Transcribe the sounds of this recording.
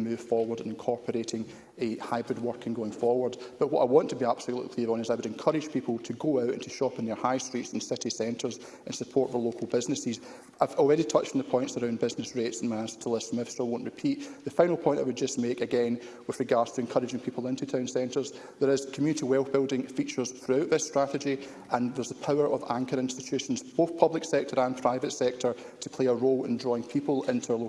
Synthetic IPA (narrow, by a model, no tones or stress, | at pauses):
mʉːv̥fɔɹwə˞də̃nɪ̃nkʰɔɹpʰəɹeʔɪ̃ŋ | haɪbɹɪd̚wɜ˞kʰə̃nɡoɪ̃ŋfɔɹwə˞db̥ʌʔwɔʔaɪwɔ̃ntʰəbiab̥səl̩ˠʔʔˠlˠʔˠikʰl̥ˠiɹə̃nɪzaɪwəɾɛ̃nkʰʌɹɪd̥ʒ̥pʰipl̩ˠtʰəɡoaʊʔə̃ntʰəʃɔpɪ̃nðə˞haɪstɹ̥itsə̃n̩sɪʔisɛ̃ntʰə˞z | ʔə̃nsəpʰɔɹʔfə˞lˠokʰəl̩ˠbɪznɪsɪz | ʔaɪvɔlˠɹɛɾitʰʌt͡ʃtn̩ðəpʰɔ̃ɪ̃ntsə˞ãʊ̃nbɪznɪsɹetsə̃n̩maɪastʰəlˠɪsmɪfstəwõnʔɹɪpʰiʔðəfãɪ̃ñl̩ˠpʰɔ̃ɪ̃nʔaɪwəd̚d͡ʒʌsmekəɡɛ̃nwɪð̥ɹɪɡaɹdz̥tʰəɛ̃nkʰʌɹɪd͡ʒɪ̃ŋpʰiplˠɪ̃ntʰʉtʰãʊ̃nsɛ̃ntə˞z | ðə˞ɪz̥kʰəmjʉnɪtiwɛlˠb̥ɪlˠdɪ̃ŋfit͡ʃə˞z̥θɹʉaʊʔðɪstɹ̥aʔɪd͡ʒi | ə̃nðə˞zəpʰaʊə˞ʔəvãŋkʰə˞ɪ̃nstɪt͡ʃʰʉʃə̃n̩zb̥oθpʰʌblˠɪksɛk̚tʰə˞ə̃npʰɹ̥aɪvətsɛk̚tʰə˞ | tʰəpʰeəɹolˠɪ̰̃ndɹɔɪ̃ŋpʰipəlˠɪ̃ntʰəlˠo